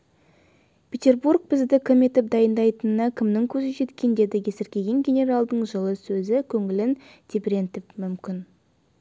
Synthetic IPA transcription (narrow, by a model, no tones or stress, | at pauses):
pʰʲet̪ʲe̞rburk̚b̥ɪzd̪ɪkʲʰeme̞t̪ɪp̚d̪ɑjənd̪ɑjt̪ənənɑkʲʰɪmnɪŋkʲʰɵzɪʒe̞t̪kʲe̞nd̪e̞d̪ɪkʲʰe̞sɪɾkʲe̞ɡʲe̞ŋɡʲe̞nʲe̞ɾalˠd̪əɴʒəlˠəsɵzɪkʲʰɵŋɪlɪnt̪ʰʲebɾe̞nt̪ɪpmʏmkʲɪn